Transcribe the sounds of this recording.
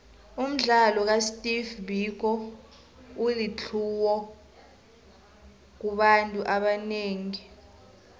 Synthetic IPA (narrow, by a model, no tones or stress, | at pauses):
um̩ɮalɔk̬astʼivbik̬ɔ | ulit͡ɬʰuwɔ | k̬uɓantʼuʔaɓaneːŋi